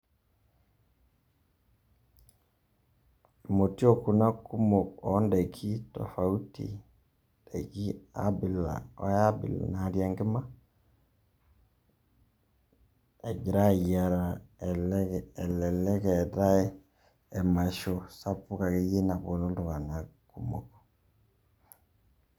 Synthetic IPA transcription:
mo˨ti˦o˦ku˨na˦ku˦mo˨ɔ˨˦nda˨kʰi˦tɔ̰˨fa˨u˦tḭ˨ | da˨ki˦a̰˦bi˨la̰˨wa˦a˦bḭ˨l̰na˨ɾja˨ŋɡe˦ma˦ | e˨ɡi˨ɾa˦˨i˨a˨ɾa˨lːlɛ˨lɛ˦kɛ˨ta˦e˦ | ɛ˨ma˨ʃo˨sa˦pu˦ka˨ke˦je˦na˨βo˨no˦do˨ɣa˨na˨ku˦mo̰˨ko̥

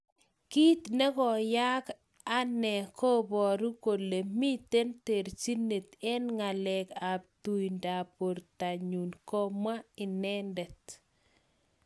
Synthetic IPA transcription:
ki˦t̪ne˦kɔ˨ja˦k | a˦nɛ˨kʰo˦bɔ˨ɾu˦ko˨le˨mi˦t̪e˦nte˨ɾt͡ʃi˦nːe˨t̪ɛ˦nŋa˨lɛ˨ka˨p̚tu˨jnda˨po˨ɾta˨ɲu˨nkɔ˦ma˦ɪ˨nɛ˦ndɛ˨t

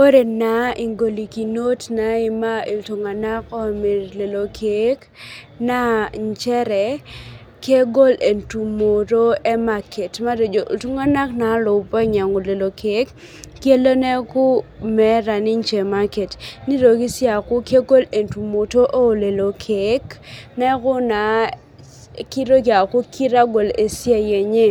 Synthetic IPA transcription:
o˦ɾe˨na˨˦ʔi˨ŋɡo˨li˨ki˨no˦tna˨i˨ma˦i˨ltu˨ŋa˨na˦kɔ˦˨me˨ɾle˨lo˨kʰe˦k | na˦ɲt͡ʃɛ˦ɾɛ˨ | ke˦ɡo˦le˨ntu˨mo˨ɾo˦ɛ˦ma˦kʰe˨tma˦do˨d͡ʒo˨ltu˦ŋa˦na˦kna˨˦lʊ˨pɔ˦ɲa˨ŋo˨le˨lo˨kʰe˦kː | je˦lo˦nɛ˦kʊ˦mɛ˨˦ɾa˨nɪ˦ɲt͡ʃe˨ma˦ke˨tni˦ɾo˨ki˦sja˨kʊ˦ke˦ɡo˦le˨ntu˨mo˨to˦ʔo˦˨le˨lo˨kʰe˨˦knɛ˦ɡʊ˦na˨ | ki˦ɾo˦ɡa˨kʊ˦kʰi˦ɾa˦ɡo˨le˨sja˦je˨ɲe˦

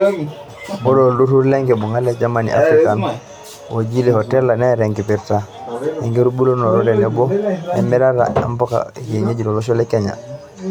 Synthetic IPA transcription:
bo˦loldu˦tu˦ɾle˦ŋɡe˨bu˨ŋa˦le˨d͡ʒa˦manḭʔa̰˦fɾika˨n | wo˨ɟi˦le˨ho˨tɛ˦la˨ne˦ɾe˨ŋɡi˨piɾtahe˨ŋɡe˦ɾu˦bu˦lo˦no˨ɾo˦de˨nebo˦nemi˦ɾa˦ɾa̰˨a̰˦mbo˦ka̰˨ke˨ɲe˦ɟi˨ɾo˨lo˦ʃ̬o˦lekeɲa̰˨

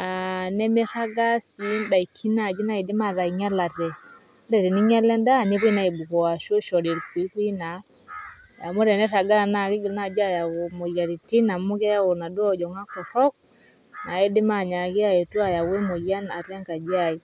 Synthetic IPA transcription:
a˨nɛ˦me˦ɾa˦ɡa˦si˨˦nda˨i˨kʰi˦na˨d͡ʒi˦na˦e˨dɪ˦ma˦˨ða˨i˨ŋa˦la˨tɛ˨˦ | ɾɛ˨ɾɛ˨ni˦ŋɛ˦lɛ˦nda˦˨ne˦βi˦na˨i˨bu˨kɔ˨a˨ʃo˦ʃɔ˨ɾe˨ɾkwi˨˦kwi˦na˨˦ | ja̰˨mo˦ɾɛ˨nɛ˦ra˨ɡa˦˨na˨˦˨na˨d͡ʒa˦˨ja˨o˨mo˨ja˨ɾi˨ti˦na˨mo˦kɛ˦ja˦wo˨na˨do˦ɔ˦d͡ʒɔ˨ŋa˦kɔ˨ɾɔ˦k̚ | na˨e˦de˦ma˦˨ɲa˨ke˦a˦e˨tu˦a˨ja˨we˦mo˨ja˦na˨ɾɛ˦ŋka˨d͡ʒa˦˨i˨

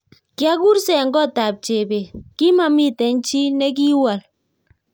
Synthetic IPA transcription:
kja˦ku˦rsɛ˨ŋɡɔ˦˨ta˨p̚t͡ʃe˨be˨ki˦ma˨mi˦tɛ˨nt͡ʃi˦nɛ˦k̬i˦wa˨l

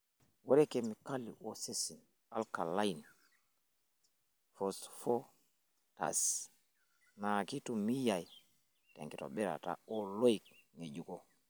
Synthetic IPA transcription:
wa˦ɾɛkemi˨ka˦lḭ˨ʔosesi˨n | a˦lka˨la˦in | fɔsfɔ˦ | ta̰˨s | naki˦tumi˦ja˨j | ta̰˨ŋki˨tɔ̰ɓɛ˦ɾa̰˨ta̰˨ɔlo˦ikŋe˨d͡ʒu˦kɔ

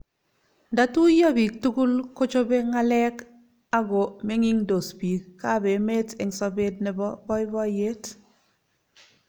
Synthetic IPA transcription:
nda˦tu˦ja˦bi˨k̚tu˦ku˦lko˦t͡ʃo˦be˦ŋa˦lɛ˦k | a˦ɡo˨me˦ŋi˦ŋdo˨spi˨ka˦˨be˨me˦te˨ŋsɔ˨be˦d̚nɛ˨bɔ˦bɔ˦jɪ˦bɔ˦je˦t

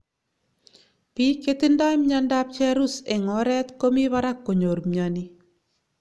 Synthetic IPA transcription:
pi˦ket̪inda˦jmɲanda˦p̚t͡ʃɛ˦ɾuse˨ŋɔ˦ɾɛ˦t̪ko˦mi˦βaɾa˦kːo˨ɲo˨ɾmɲani

